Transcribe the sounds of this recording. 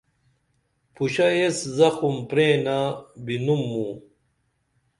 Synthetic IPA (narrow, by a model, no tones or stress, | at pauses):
pʰuɕɐeszɐxumpɾẽːnabinumːuː